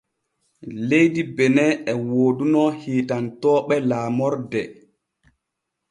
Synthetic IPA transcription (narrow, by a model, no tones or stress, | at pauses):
lejdibɛnɛɛwoːdunɔhiːtantɔːɓɛlaːmɔɾdɛ